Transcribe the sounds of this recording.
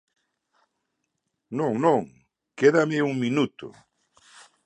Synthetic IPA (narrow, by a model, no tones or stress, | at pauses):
nõŋnõŋ | keðamɪuŋmĩnut̪ʊ̰